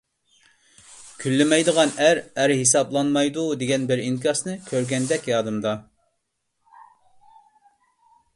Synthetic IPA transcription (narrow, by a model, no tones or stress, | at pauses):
kʲʰylːɪmɛjd̪əʁɑnæɾæɾɦisɑblˠɑnmɑjd̪ud̪eɡʲɛnbɪɾiŋkʲʰɑsnɨkʲʰøɾɡʲɛnd̪ɛkʲjɑːd̪ɨmd̪ɑ